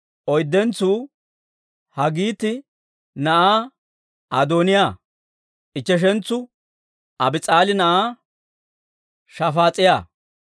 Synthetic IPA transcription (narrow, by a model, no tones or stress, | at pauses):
ʔɔjd̪ːɛnt͡sːuː | hɐɡiːt̪ːɪ | nɐʔaː | ʔɐd̪oːnɪjaː | ʔɪt͡ʃːɛʃ̬ɛnt͡sːʊ | ʔɐbɪt͡sʼaːlɪnɐʔaː | ʃɐfaːt͡sʼɪja̰ː